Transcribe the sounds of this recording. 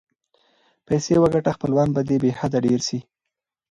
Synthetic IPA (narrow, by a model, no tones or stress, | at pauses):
pajsewəɡaʈaxpəlwɑnbad̪ebehad̪aɖeɾʃi